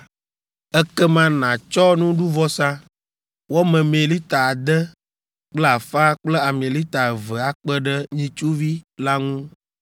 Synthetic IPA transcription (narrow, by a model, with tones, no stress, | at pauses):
ɛ˦kɛ˦mã˦nã˨t͡ʃɔ˦nũ˦ɖu˦vɔ˦sã˦ | wo˦mɛ̃˨mẽ˨li˦t̪a˨a˨d̪ə˦ | k͡plɛ˦a˨fa˦k͡plɛ˦a˨mẽ˨li˦t̪a˨və˨a˨k͡pə˦ɖə˦ɲĩ˦t͡ʃu˦vi˦la˦ŋũ˦